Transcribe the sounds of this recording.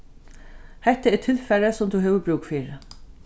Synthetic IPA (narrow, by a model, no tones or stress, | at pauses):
hɛht̪ːaɛɾt̪ʰɪlfɛɾasʊmt̪ʰuɦɛːvʏɾbɾuːktfiːɾ